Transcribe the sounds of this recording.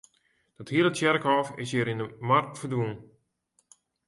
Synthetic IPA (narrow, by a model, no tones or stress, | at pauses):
d̥ɔthiələtsjɛrkɔːfɪ̰sjəːɾɪndəmarktfərdʋun